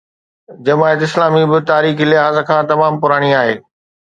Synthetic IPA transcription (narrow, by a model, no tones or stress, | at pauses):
d͡ʑɐmaːjət̪ɪslaːmibɪt̪aːɾiːxilɪɦaːzə̆kʰãːt̪ɐmaːmpʊɾaːɽ̃iaːɦeː